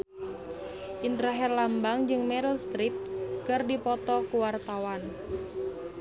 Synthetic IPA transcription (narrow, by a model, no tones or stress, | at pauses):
ʔintɾaɦɛrlambaŋd͡ʒɨŋmɛɾəlst̪ɾip̪̚kərdipɔt̪ɔkuwart̪awan